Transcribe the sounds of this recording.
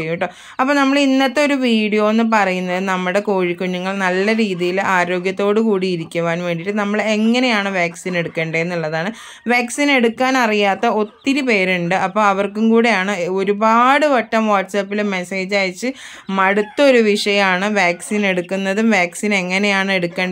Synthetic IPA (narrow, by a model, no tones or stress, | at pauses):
ejːiʈːo | ɐpːoːnɐmːɐɭinːɐt̪ːeo̞ɾuʋiːɽijo̞ːenːɨp̬ɐrɐjunːɐðɨnɐmːɨɽe̞koːɻikːuɲːuŋːɐɭnɐlːɐɾiːðijilaːɾo̞ːɡjɐt̪ːo̞ːɽɨkuːɽiːɾikʲːuʋaːnʋe̞ːɳɖiʈːɨnɐmːɐɭeŋːɐne̞jaːɳɨʋaːksine̞ɽukːeːɳɖɐenːuɭːɐðaːɳɨ | ʋaːksine̞ɽukːaːnɐrijaːt̪ːɐo̞t̪ːiɾupe̞ːɾuɳɖɨʔɐpːo̞ːɐʋɐrkumkuːɽejaːɳɨo̞ɾubaːɽɨʋɐʈːɐmʋaːʈːsaːpːilme̞se̞ːd͡ʑaːjt͡ɕːɨ | mɐɽut̪ːɐoɾuʋiʂɐjɐmaːɳɨʋaːksine̞ɽukːunːɐðumʋaːksine̞ŋːɐne̞jaːɳɨe̞ɽukːeːɳɖɐ